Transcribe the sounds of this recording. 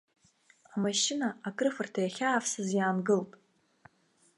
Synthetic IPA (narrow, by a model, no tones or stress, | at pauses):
amaʃɪnaakʼrɨfɨrtʰajaχʲaːfsɨzjaːnɡɨlpʼ